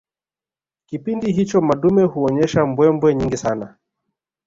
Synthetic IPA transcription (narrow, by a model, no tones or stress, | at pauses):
kipindiɦit͡ʃɔmaɗumɛhuɔɲɛʃambwɛmbwɛɲiŋɡisana